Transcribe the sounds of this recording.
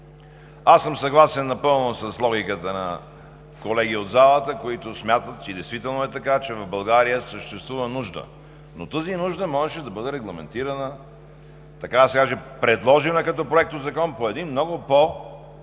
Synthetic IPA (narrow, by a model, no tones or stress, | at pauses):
asːəmsɐɡlˠasɛnːɐpɤlˠnosɐslˠɔɡʲikət̪ənɐ̰ | kolɛɡ̟iod̪zalˠət̪əkoit̪ʊsmʲjat̪ət̪̚t͡ʃɛd̪ɛjst̪vit̪ɛlˠnoɛt̪ɐkat͡ʃɛvɐvbɐlˠɡaɾijəsəʃt̪ɛst̪vuvənuʒd̪ə̰ | not̪əzinuʒd̪əmɔʒɛʃɛd̪ɐbɤd̪ɛɾɛɡlˠɐmɛnt̪iɾənə | t̪ɐkad̪ɐsɛkaʒɛpɾɛd̪lˠɔʒinəkɐt̪ɔpɾoɛk̚t̪ozɐkɔnpoɛd̪inmnɔɡʊpo